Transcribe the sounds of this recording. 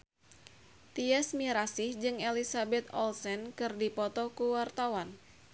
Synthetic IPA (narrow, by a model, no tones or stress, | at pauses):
t̪iasmiɾasɪhd͡ʒɨŋelisabɛt̪̚ɔlsɛnkɨrdipɔt̪ɔkuwart̪awan